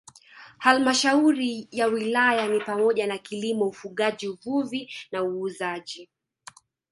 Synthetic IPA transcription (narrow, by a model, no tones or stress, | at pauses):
halmaʃauɾijawilajanipamɔʄanakilimɔufuɠaʄiuvuvinauːzaʄi